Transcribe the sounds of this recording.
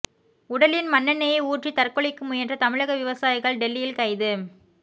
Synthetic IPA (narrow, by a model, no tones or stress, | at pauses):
ʊɽɐlɪnmɐnːɐnːɐjɐɪuːʈrit̪ɐrkɔɭɪkːɯmʊjɐnrɐt̪ɐmɪɻɐɣɐʋɪʋɐsaːjɪɣɐɭɖɛlːɪjɪlkɐɪðɯ